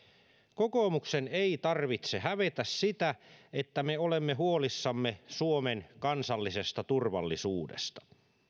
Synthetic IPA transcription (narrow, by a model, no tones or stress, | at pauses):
kokomukseneit̪ɑrʋit̪sehæʋet̪æssit̪æet̪ːæmeolemːeɦuolisːɑmːesuomenkɑnsɑlːisest̪ɑt̪urʋɑ̰lːisuːdḛst̪ɑ̥